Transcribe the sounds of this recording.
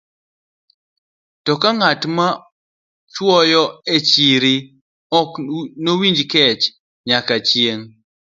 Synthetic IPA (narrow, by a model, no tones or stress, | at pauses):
tɔkaŋatma | t͡ʃwɔjɔet͡ʃiɾi | ɔknowiɲd͡ʒkɛt͡ʃ | ɲakat͡ʃjeŋ